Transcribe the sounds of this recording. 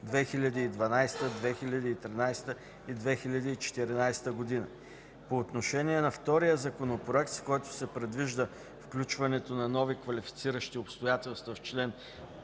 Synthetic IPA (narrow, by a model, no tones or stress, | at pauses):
d̪vɛxilʲɐd̪iːd̪vɐnajst̪əd̪vɛxilʲɐd̪iːt̪ɾinajst̪ə | id̪vɛxilʲəd̪iːt͡ʃɛ̥t̪iɾinajst̪əɡod̪inə̰ | poːt̪noʃɛniɛnɐft̪ɔɾijəzɐkonopɾoɛk̚t̪skɔjt̪ʊ̥sɛpɾɛd̪viʒd̪ə | fklʲut͡ʃvɐnɛt̪onɐnɔvikvɐlʲifi̥t̪siɾəʃt̪iopst̪ojat̪ɛlˠst̪vəft͡ʃlɛn